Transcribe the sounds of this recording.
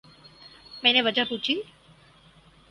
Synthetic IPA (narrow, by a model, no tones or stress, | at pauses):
mɛ̃neʋəd͡ʒaput͡ʃʰi